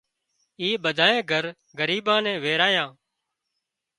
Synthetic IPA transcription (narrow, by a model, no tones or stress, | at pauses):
iːɓəd̪ʱaːẽːɡʱəɾ | ɡəɾiːbãːnɛ̃ːʋeːɾaːjãː